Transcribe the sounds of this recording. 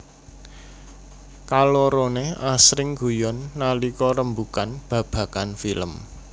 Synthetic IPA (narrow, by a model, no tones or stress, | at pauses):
kaloɾoneasɾɪŋɡṳjɔnːalikɔɾəmbukanb̥ä̤b̥ä̤kanfiləm